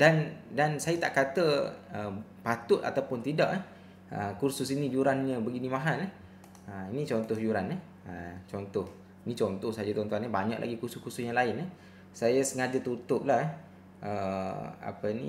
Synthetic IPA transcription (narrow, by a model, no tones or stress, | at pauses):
dandansajat̪aʔkat̪əəpat̪ʊt̪̚a̰t̪awpʊnt̪idaʔɛ | ə̰kursʊsinĩjuɾanɲəbəɡinĩmaɦana | əinit͡ʃɔnt̪ɔhjuɾanəh | ət͡ʃɔnt̪ɔh | inĩt͡ʃɔnt̪ɔhsad͡ʒat̪ɔnt̪uanabaɲa̰ʔlʔa̰ɡikusʊskusʊsjaŋlaɪnəh | sajasəŋad͡ʒat̪ut̪ʊp̚lahɛ | ʔəa̰pənḭ